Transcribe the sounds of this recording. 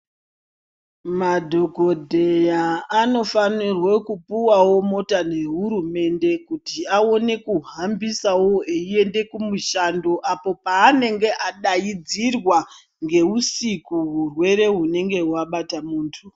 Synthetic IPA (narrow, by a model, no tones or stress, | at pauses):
madʱoɡʱo̞dʱe̞jaːno̞fanirwekupuwawo̞mo̞tane̞ɦuɾume̞nde̞kutiaone̞kuɦambisawo̞eie̞nde̞kumuʃando̞ʔapo̞paːne̞ŋɡe̞ʔaɗajid͡zirwa | ŋɡe̞usikuɦurwe̞ɾe̞ɦune̞ŋɡe̞ɦwaɓatamuːntʰu